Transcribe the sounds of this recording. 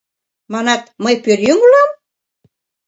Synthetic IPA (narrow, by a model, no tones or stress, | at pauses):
mɑnɑt̪məjpørjyŋlɑm